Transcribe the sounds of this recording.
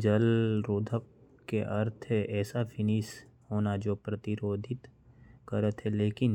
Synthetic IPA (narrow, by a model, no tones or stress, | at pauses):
d͡ʒəlɾoːd̪ʱəkː | eʔɐɾt̪ʰɦɛʔɛːsafʰɪnis | hoːnad͡ʒoːpɾət̪ɪɾoːd̪ʱɪt̪ | kəɾət̪ɦɛleːkɪn